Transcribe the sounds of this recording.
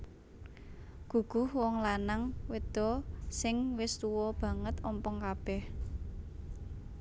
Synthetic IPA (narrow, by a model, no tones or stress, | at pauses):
ɡ̥ṳɡ̥ʊhwɔŋlanaŋwed̪̥ɔ̤sɪŋwɪst̪uwɔb̥ä̤ŋət̪ɔmpɔŋkab̥ɛh